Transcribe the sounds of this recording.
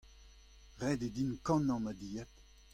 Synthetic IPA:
ʁɛd̪ed̪inkɑ̃nɑ̃mad̪ijat

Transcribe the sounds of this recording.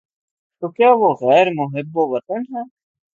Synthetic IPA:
t̪okjaːʋoɣɛːɾmʊɦɪbːoʋɐt̪ənɦɛː

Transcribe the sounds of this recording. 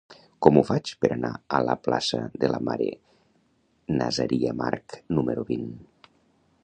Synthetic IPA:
kɔmufat͡ʃpəɾanaələplasəðelamaɾe | nazaɾʔiamaɾknuməɾuβin

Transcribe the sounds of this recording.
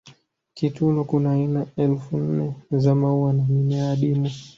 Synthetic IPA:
kitunukunaːinaɛlfun̩nɛzamauwanamimɛaɗimu

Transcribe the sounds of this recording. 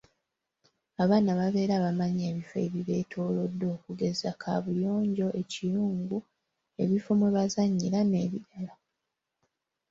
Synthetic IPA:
aβaːnaβaβe̞ːɾaːβamaɲe̞ːβife̞̰ːβiβe̞ːtʰo̞ːlo̞dːo̞ːkuɡe̞zakʰa̰βujo̞ːɲɟo̞ʔe̞cijuːŋɡu | e̞βifo̞mwe̞βazaɲːilane̞ːβiɾala

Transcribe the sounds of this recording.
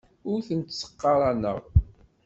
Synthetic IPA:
ʊɾθənt̪sə̥qːɑɾˤɑnə̰ʁ

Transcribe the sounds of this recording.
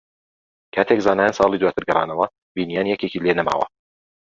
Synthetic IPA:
kʰaːt̪ʰekzaːnaːjansɑːlˠiːd̪waːt̪ʰɨɾɡɨɾˤɑ̰ːnɐwɐ | biːnijaːnijɛceciːlenɐma̰ːwɐ̰

